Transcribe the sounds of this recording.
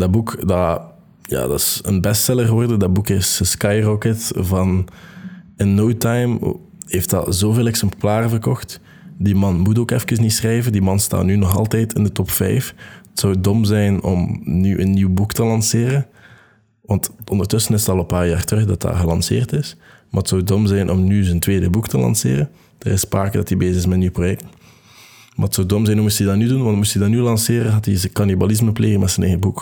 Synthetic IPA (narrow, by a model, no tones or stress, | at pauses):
dɑbukdɑ | ja̰ːdɑɪsə̰nbɛstɛlˠərɣəʋɔrdəndɑbukɪsəskɑjrɔkətvɑn | ənːowtɑjm | heːft̚dɑ̰zoːveːlˠɛksɛmplaːrvərkɔxt | dimɑnmut̬oːkɛfkəsnitsxrɛjvəndimɑnsta̰ːtnynɔxɑ̰lˠtɛjtɪndətɔpfɛ̰jfətsɔwdɔmzɛjnɔ̰mnyʔənːiwbuktəlɑnsɪːɾən | ʋɑntɔndərtɵsənɪsətɑlˠəpaːrjaːrtəxdɑtda̰ːrɣəlɑnsɪ̰ːrtɪs | ma̰ːətsɔwdɔmzɛjnʔɔmnyzəntweːdəbuktəlɑ̰nsḛːɾən | d̥ə̰ɾɪspaːkədɑtibeːzəɪsmɛtəniwprojɛk̚t | maːətsɔwdɔmzɛjnɔmustidɑtnydunʋɑntmustidɑnylɑnseːɾənɦɑtizəkɑnibalɪzməpleːɣəmɛtsənɛjɣəbuk